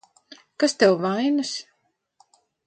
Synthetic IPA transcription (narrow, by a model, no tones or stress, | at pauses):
kast̪ɛwvajnas